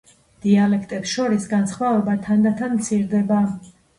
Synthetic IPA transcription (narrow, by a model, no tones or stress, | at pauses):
d̪̥ialɛkʰt̪ʼɛpsʃɔɾisɡansχmavɛbat̪ʰand̪at̪ʰanmt̪sʰiɾd̪ɛba